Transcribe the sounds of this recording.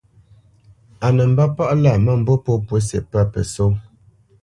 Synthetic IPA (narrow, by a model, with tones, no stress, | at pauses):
a˨nə˨m̩˦ba˦pa˦ʔla˦˨mə˦˨m̩˨bo˦po˦pwə˨˦sḛ˨pa˦˨pə̰˨so˦